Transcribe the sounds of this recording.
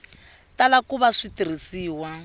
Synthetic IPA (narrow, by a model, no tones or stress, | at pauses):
talakuβaʂitiɾ̤isiːwa